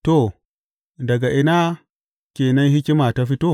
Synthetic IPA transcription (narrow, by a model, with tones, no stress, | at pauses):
to˨ | dɐ˨ɡa˨ʔɪ˨na˦ | kʲeː˨nɐ˦nhi˦kʲi˦ma˨ta˦ɸi˦toː˦˨